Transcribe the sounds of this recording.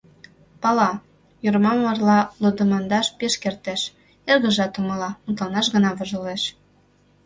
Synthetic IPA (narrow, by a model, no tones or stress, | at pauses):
pɑlɑ | jurmɑmːɑrlɑlod̪əmɑnd̪ɑʃpeʃkert̪eʃ | erɣə̆ʒɑt̪uməlɑmut̪lɑnɑʃɣə̆nɑβə̆ʒə̆leʃ